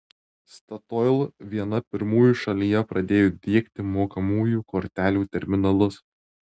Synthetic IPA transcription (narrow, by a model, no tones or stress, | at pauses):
st̪ɐt̪ɔɪlˠʋʲiɛnɐpʲɪɾmuːjuˑʃɐlʲijɛpɾɐd̪ʲeːjoːd̪ʲiɛkt̪ʲɪmoːkɐmuːjuːkɔɾʲt̪ʲæːlʲuːt̪ʲɛɾʲmʲɪnɐlˠʊs